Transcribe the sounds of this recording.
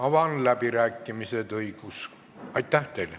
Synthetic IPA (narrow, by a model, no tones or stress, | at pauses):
ɑʋɑnlæpiræːkːimiset̪oikus | ɑit̪ːæht̪eil